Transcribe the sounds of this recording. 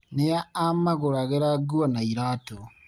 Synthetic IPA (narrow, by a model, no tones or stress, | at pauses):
nejaːmaɣoɾaɣeɾaɡuwanaiɾaːto